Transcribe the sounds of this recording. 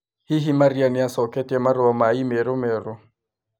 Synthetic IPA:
hiɦimarianiasɔkɛtʼiamaɾɔamaimɛɾʊmɛːrʊ

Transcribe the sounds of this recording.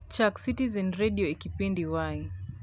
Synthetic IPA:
t͡ʃaksitizɛnɾɛɗiɔikipindiwaj

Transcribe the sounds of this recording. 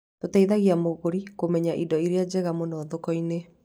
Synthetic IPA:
totaiðaɣiamoɣoɾikomɛɲaʔidɔiɾead͡ʑɛɣamonɔːðokɔine

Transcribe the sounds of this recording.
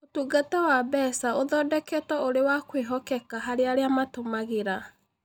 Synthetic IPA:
otuːɡatɛwabɛsaoðɔdɛkɛtɔoɾewakweɦɔkɛkaɦaɾeaɾeamatomaɣeɾa

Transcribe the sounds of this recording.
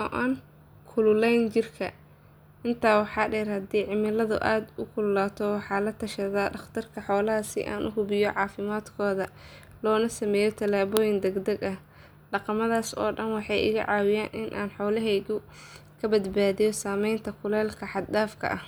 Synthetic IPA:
ɔʔaːn | kʰʊlʊlɛjnt͡ʃɪrkʰɐ̰ | ʔɪnt̪ʰaːwɑħɑːɖɛːrhɐd̪iːʕɪmɪlɐðʊ̰ʔaːd̪ʊkʰʊllaːt̪ʰɔwɑħɑːlɐt̪ʰːɐʃɐðaɖɑχt̪ʰɐrkʰɐħɔːlɐɦɐsɪ̰ʔa̰ːnʔʊ̰ɦʊβɪjɔʕɑːfɪmaːd̪kʰɔːðɐ | lɔːnɐsɐmɛːjɔt̪ʰɐlaːβɔːjɪnd̪ɛɡd̪ɛɡɐh | ɖɑqɑmɐðaːsɔ̰ːɖɐnwɑħɑjʔɪ̰ɣɐ̰ʕɑːwɪjaːnʔɪnʔaːnħɔːlɐɦɛjðʊ | kʰɐbɐd̪baːðijɔsaːmɛjnt̪ʰɐkʰʊlɛːlkʰɐħɑd̪daːfkʰɐ̰ʔɐh

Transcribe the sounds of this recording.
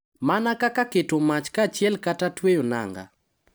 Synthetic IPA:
manakakaketomat͡ʃkat͡ʃjɛlkatatwejona̰ŋɡa̰

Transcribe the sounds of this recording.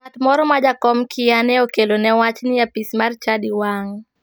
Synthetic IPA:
atmɔɾɔmad͡ʒakɔmkʰɪjanɛokelonɛwat͡ʃnɪjapismart͡ʃadiwaŋ

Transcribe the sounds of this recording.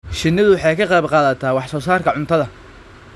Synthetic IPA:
ʃɪnːɪðʊwɑħɑjkʰɐqɑjbqɑːðɐt̪ʰaːwɑħsɔːsaːrkʰɐʕʊnt̪ʰɐðɐ

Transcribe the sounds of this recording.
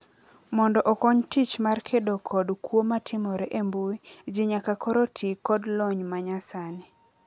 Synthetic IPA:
mɔndɔʔɔkɔɲtit͡ʃmarkʰedokʰɔdkwomatʰɪmɔɾɛʔembuid͡ʒɪɲakakʰɔɾotʰikɔdlɔɲmaɲasanɪ

